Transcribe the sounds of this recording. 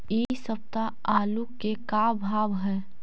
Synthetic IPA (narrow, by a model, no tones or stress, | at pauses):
jeisəp̚t̪a | aːlukekaːbʱaːbɦɛː